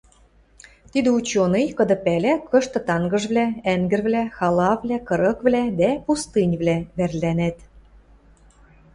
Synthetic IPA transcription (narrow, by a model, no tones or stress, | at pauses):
t̪id̪ɘ̆ut͡ɕonejkɤ̆d̪ɤ̆pælʲækɤ̆ʃt̪ɤ̆t̪ɑŋɡɤ̆ʒβlææŋɡɘ̆rβlæxɑlɑβlækɤ̆ɾɤ̆kvlæd̪æpust̪ɨnʲβlæβærlænet̪